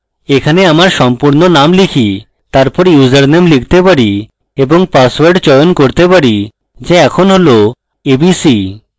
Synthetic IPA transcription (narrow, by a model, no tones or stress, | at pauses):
ekʰaneamaɾʃɔmpuɾnonamlikʰi | t̪aɾpɔɾjud͡ʑaɾnemlik̚ʰt̪epaɽi | eboŋpaswaɾɖt͡ɕɔjonkoɾt̪epaɽi | d͡ʑeɛkʰonɦolo | ebisi